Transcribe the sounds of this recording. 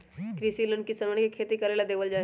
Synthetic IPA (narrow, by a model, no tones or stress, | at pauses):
kɾisilənkisəɾəɽ̃kikʰeːt̪ikɐɾeːlad̪eːʋəld͡ʒaː